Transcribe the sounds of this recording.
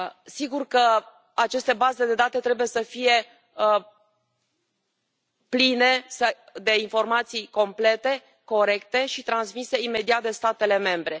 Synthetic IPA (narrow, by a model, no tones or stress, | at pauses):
siɡurkə | at͡ʃe̞st̪e̞baze̞d̪e̞d̪at̪e̞t̪ɾe̞buje̞səfije̞ | pline̞sə | d̪e̞info̞rmat̪sijko̞mple̞t̪e̞ | ko̞ɾe̞kt̪e̞ʃit̪ɾansmise̞ime̞d̪iat̪̚d̪e̞st̪at̪e̞le̞me̞mbɾe̞